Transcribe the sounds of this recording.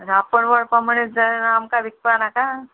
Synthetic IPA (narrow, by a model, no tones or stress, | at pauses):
ɾapəɳʋəɽpaməɽed͡zanamkaʋik̚panaka